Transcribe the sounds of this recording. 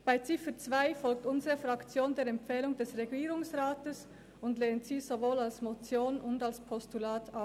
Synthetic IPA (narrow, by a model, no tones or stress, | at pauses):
b̥aɪt͡sɪfət͡sv̥aɪfɔlk̚tʊnzəʁəfʁɑkt͡sjoːndeːɾɛmpfɛːlʊŋdɛsʁeɡiːʁʊŋsʁaːtəs | ʊndleːntsiːzovoːlalsmot͡sjoːnʊndalspʰɔstulaːtʰap